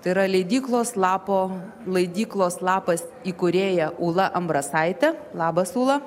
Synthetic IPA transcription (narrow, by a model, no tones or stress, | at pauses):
t̪ɐɪɾɐlʲɛɪd̪ʲiːklˠoːslˠɑːpoː | lˠɐɪd̪ʲiːklˠoːslˠɑːpɐsiːkʊɾʲeːjɛʔuːlˠɐʔɐmbɾɐsɐɪt̪ʲɛlˠɑːbɐsuːlˠɐ